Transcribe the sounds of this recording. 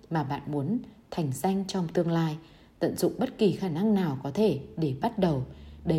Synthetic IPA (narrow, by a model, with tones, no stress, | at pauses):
maː˨˩ɓa̰ː˧˨nmu˨˦ənt̪ʰa˨˩jŋ̟sa˧jŋ̟t͡ɕɔ˧wŋ͡mt̪ɨ˧əŋlaː˧j | t̪ə̰˧˨nzʊ̰˧˨ŋ͡mɓə˦˥t̚ki˨˩xaː˧˩na˧ŋnaː˨˩wkɔ˨˦t̪ʰe˧˩ɗe˧˩ɓa˦˥t̚ɗə˨˩wɗə˨˦